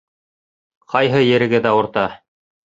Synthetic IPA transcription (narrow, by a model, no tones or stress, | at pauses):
qʰɑjɦɤjɘ̆ɾɘ̆ɡɘðæŏɾt̪ɑ